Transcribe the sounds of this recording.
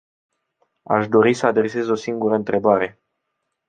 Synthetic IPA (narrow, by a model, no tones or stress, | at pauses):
a̰ʃd̪o̞ɾisəad̪ɾe̞se̞zo̞siŋɡuɾəɨnt̪ɾe̞baɾe̞